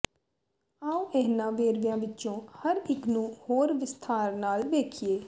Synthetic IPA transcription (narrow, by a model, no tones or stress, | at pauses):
aːũʔɛɦnãːʋeːɾʋijãːʋɪtːt͡ʃõːhəɾɪkʰnũːhoːɾʋɪst̪ʰaːɾnaːlʋeːkʰieː